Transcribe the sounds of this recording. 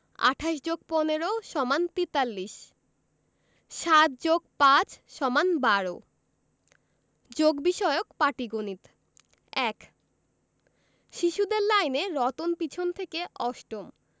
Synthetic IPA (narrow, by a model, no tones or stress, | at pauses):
a̰ʈʰaʃ̬d͡ʑoɡ̚poneɾoʃɔmant̪it̪alːiʃ | ʃat̪̚d͡ʑoɡ̚pãt͡ɕʃɔmanbaɾo̰ | d͡ʑoɡbiʃɔeokpaʈiɡonit̪ | ɛk | ʃiʃud̪eɾlajneɾɔt̪onpit͡ɕʰont̪ʰekeʔɔʃʈom